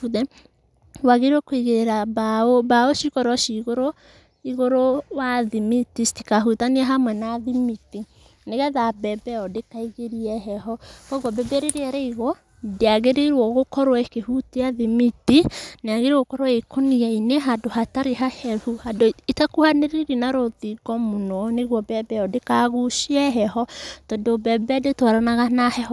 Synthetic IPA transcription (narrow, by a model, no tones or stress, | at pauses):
uðɛ | waɣeɾwɔkoiɣeɾeɾabaobaoʃikɔɾwɔʃiɣoɾo | iɣoɾowaðimitistikaɦutaniaɦamwɛnaðimiti | neɣɛðabɛbɛɔdekaiɣeɾiɛɦɛɦɔkɔɡɔbebeɾeɾeɛɾɛiɣwɔ | deaɣeɾeiɾwɔɣokɔɾwaekehuteaðimitineaɣeɾeɣokɔɾwaekoniaineɦadohataɾeɦahɛhuhadoetakuhaneɾeɾinaɾoðiɡɔmonɔneɣwɔbɛbɛɔdekaɣuʃiɛɦɛhɔtɔdobɛbɛdetwaɾanaɣanahɛhɔ